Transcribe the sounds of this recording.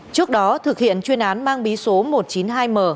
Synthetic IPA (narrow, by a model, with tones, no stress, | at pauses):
t͡ɕɨ˦˥ək̚ɗɔ˨˦t̪ʰɨ˨˩k̚hḭ˧˨ənt͡ɕwi˧ənʔaː˨˦nmaː˧ŋɓi˨˦so˨˦mo˨˩t̚t͡ɕi˨˦nɦaː˧jməː˨˩